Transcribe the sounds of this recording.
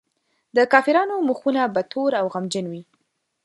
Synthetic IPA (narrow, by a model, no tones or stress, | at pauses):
d̪əkɑfɪɾɑnomuxunabat̪ʰoɾawɣamd͡ʒənwi